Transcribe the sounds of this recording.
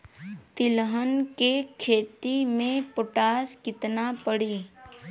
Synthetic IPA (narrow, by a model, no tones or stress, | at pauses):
t̪ɪlɦənkekʰeːt̪imẽpʊʈaːskɪt̪napəɽiː